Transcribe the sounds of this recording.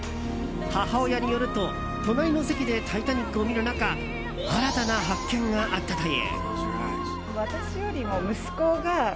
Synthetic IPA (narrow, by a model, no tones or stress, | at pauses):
hahao̞jaɲʲijo̞ɾɯ̟t̪o̞ | t̪o̞naɾʲino̞sekʲid̪e̞t̪ʰait̪aɲ̟ikːɯo̞mʲiɾɯ̟naka | aɾat̪anaɦakːẽ̞ŋɡaʔat̪ːat̪ajḛ | βat̪aɕijo̞ɾʲimomɯ̟sɨ̥ko̞ɡa